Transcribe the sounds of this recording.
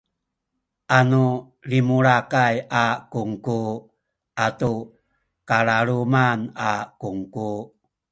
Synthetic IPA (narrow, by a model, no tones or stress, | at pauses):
ʔanu | limuɭakajakuŋku | ʔatu | kaɭaɭumanakuŋku